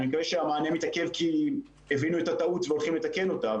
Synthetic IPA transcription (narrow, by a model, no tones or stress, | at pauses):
mikeʃeamaːnemit̪akevkʰi | evinuet̪at̪autveo̞lχimlet̪ake̞no̞t̪a